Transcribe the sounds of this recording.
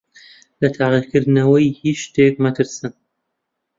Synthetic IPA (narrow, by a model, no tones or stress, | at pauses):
lɐt̪ʰaːʁiɾkɨɾd̪ɨnɐwɐjhit͡ʃt̪ʰeːk̚mɐt̪ʰɨɾsɨn